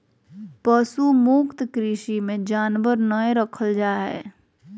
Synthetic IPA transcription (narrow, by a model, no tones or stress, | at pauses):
pəsumukt̪kɾiːʃimẽd͡ʒaːnʋəɾnəeɾəkʰəld͡ʒaːɦɛ̰ː